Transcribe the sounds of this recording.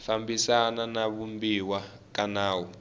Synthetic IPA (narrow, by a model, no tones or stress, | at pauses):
fambisananaβumbiwa | kanaːwɔ